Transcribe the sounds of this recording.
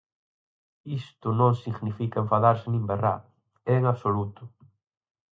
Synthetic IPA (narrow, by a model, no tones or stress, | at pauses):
ist̪ʊnõŋsiɣnifikaẽɱfaðaɾsɪnĩmbera̰ | eːŋaβsolut̪ʊ